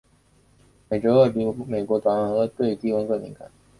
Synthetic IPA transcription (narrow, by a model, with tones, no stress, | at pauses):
me˨˩ɪʈ͡ʂɤ˧˥ɤ˥˩pi˧˥me˨˩ɪkwɔ˧˥t̪wa˨˥ə˧˥˩xɤ˧˥t̪we˥˧ɪt̪i˥kʊ˥ŋkɤ˥˩mḭ˧˥ŋkʰa̰˨˧˩